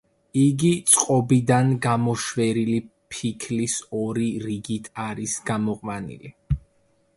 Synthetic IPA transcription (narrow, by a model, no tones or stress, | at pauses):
iɡit̪sʼqʼɔbid̪anɡamɔʃwɛɾili | pʰikʰlisɔɾiɾiɡit̪ʰaɾisɡamɔqʼmanḭli